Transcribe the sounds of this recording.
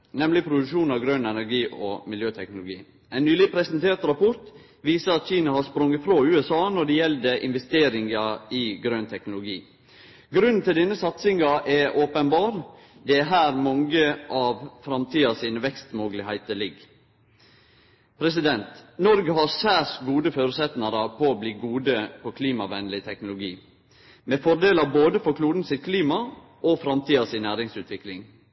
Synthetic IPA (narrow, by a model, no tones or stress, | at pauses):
nɛmlɪpʰɾʊd̪ʉʂuːnɑʋɡɾønɛnæɾɡiːʔɔmɪljøːt̪ʰɛknʊlʊɡḭː | ɛɪnnyːlɪpʰɾɛsənt̪ʰeːɾt̪ɾɑpʰɔɾt̪ | ʋiːsəɾɑt̪çiːnɑhɑspɾɔŋːət̪fɾoʉːɛsɑːnɔɖɛjɛld̪əʔɪ̰nʋɛst̪eːɾɪŋɑɪɡɾønt̪ʰɛknʊlʊɡḭː | ɡɾʉnn̩t̪ʰɪld̪ɛnːəsɑt̪sɪŋɑʔɛʔoːpənbɑːɾ | d̪ɛæɾɦæːɾmɑŋəʔɑʋfɾɑmt̪ʰiːɑsinəʋɛkst̪moːɡlɪhæɪt̪əlɪɡ | pʰɾɛs̬ɪd̪ɛnt̪nɔɾɡəɦɑɾsæːsɡuːd̪əføːɾəsɛt̪nɑɾəpʰɔːbliːɡuːd̪əpʰɔkʰliːmɑʋɛnlɪt̪ʰɛknʊlʊɡiː | mɛːfɔɾɖ̪eːlɑboːd̪əfɔkʰluːd̪n̩sɪt̪̚kʰliːmɑ | ʔofɾɑmt̪ʰiːɑsɪnnæːɾɪŋsʉːt̪ʋɪklɪŋ